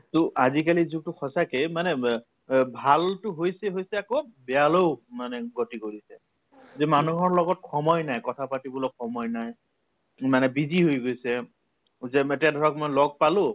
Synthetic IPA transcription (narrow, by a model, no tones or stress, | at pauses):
tʊʔazikalizuk̚tʊxʰɔsakemanɛ | bʱaltʊɦojsɛɦojsɛakobɛaloʊmanɛɡotikoɹisɛ | zemanuɦɔɹlɔɡɔt̚kʰɔmɔjnajkɔtʰapatibɔlɔxʰɔmɔjnaj | manɛbiziɦojɡojsɛ | zɛetadʱɔɹɔkmɔjlɔɡ̚palʊ